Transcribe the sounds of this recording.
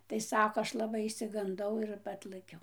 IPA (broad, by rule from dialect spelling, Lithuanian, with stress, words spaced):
tɐɪ ˈsɑːkoː ˈɐʃ lˠɐˈbɐɪ ɪʃʲsʲɪɡɐnˈdɐʊ ɪr ˈɑːtlˠɘkʲɛʊ